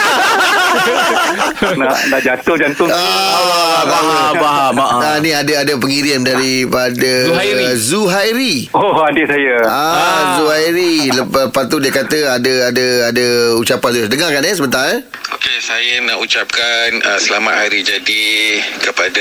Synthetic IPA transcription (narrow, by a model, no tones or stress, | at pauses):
nanaʔd͡ʒat̪ʊhd͡ʒant̪ʊaat̪awəbaɦabaʔanĩadaadap̬əŋiɾiandaɾipada | zuɦajɾi | oadiʔsajəazuajɾiləpləpat̪ːudiəkat̪əadəadəadaut͡ʃapanluasdəŋakanɛsəbənt̪aŋɛ | okesajənaʔut͡ʃap̚kanəsəlamaaɾid͡ʒadikəpada